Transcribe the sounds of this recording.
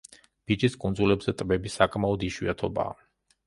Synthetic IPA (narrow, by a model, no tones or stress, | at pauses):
b̥id͡ʒiskʼund̪zulɛbzɛt̪ʼbɛbisakʼmaɔd̪iʃwḭat̪ʰɔba̰ː